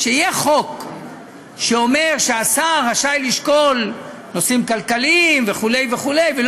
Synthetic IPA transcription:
ʃeijeχo̞k | ʃeo̞me̞ʁʃeasaʁːaʃajliʃko̞l | no̞simkalkaliimve̞χule̞jveχule̞jvel

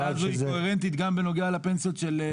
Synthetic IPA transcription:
azuioeʁent̪̬it̪ɡambeno̞ɡealapensijot̪ʃel

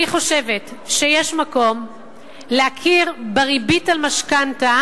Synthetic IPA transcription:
iχo̞ʃe̞ve̞tʃejeʃmako̞m | leakʰiʁbeʁibitalmaʃkanta

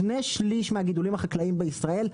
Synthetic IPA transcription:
neʃliʃmehaɡid̪ulimhaχaklaimbeisʁae̞l

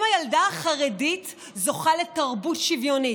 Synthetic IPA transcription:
majaldaaχaʁedit | zo̞χale̞taʁbutʃivjo̞ni

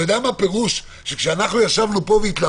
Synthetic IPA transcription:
edamape̞ʁuʃ | ʃekʃeanaχnujaʃavnupo̞veit̪la

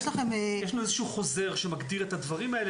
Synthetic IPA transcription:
ʃlaχe̞mejeʃanuezeʃuχo̞ze̞ʁʃemaɡdiʁet̪had̪vaʁimaele

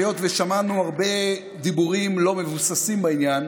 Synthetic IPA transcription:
jo̞t̪veʃamanuaʁbe̞ | d̪ibuʁimlo̞me̞vusasimbainjan

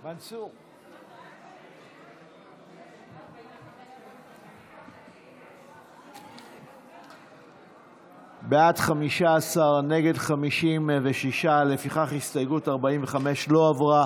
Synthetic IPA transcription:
asu | beatχamiʃaːsaʁne̞ɡe̞dχamiʃimveʃiʃalefiχaχhistajɡutaʁbaiɱve̞χame̞ʃlo̞avʁa

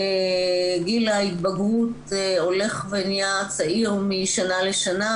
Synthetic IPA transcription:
eɡilait̪̚baɡʁut̪ | o̞le̞χvenijat͡saʔiʁmiʃanaleʃana

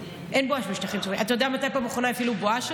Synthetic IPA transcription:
ʔenboaʃmiʃtaχimt͡soimʔat̪ajodeɛamat̪ajpambaχonajafiluboaʃ

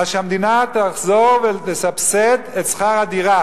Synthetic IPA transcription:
aʃamd̪inat̪aχzoʁvet̪esapset̪etsχaʁad̪iʁa

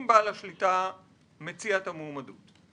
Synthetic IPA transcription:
mbaalaʃlita | met͡siatamoːmadut

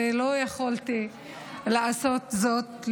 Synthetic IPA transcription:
elojaχalt̪i | leʔasot̪zot̪l

